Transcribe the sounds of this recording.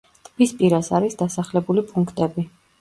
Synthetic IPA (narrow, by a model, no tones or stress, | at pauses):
t̪ʰʼbispʼiɾasaɾisd̪asaχlɛbulipʼuŋkʰt̪ʼɛbi